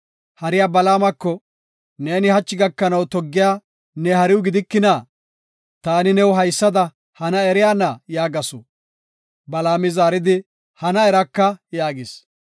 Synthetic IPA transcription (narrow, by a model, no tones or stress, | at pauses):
hɐɾɪjaːbɐlaːmɐkːɔ | ne̞ːnɪhɐt͡ʃːɪɡɐkːɐnɐwt̪ɔɡːɪjaː | nɛhɐɾɪwʊɡɪd̪ɪkːɪnaː | t̪aːnɪnɛwʊɦɐjsːɐd̪ɐ | hɐnɐɛɾɪjaːnɐjaːɡɐsɔ̰ | bɐlaːmɪzaːɾɪd̪ɪ | hɐnɐɛɾɐkːɐjaːɡɪs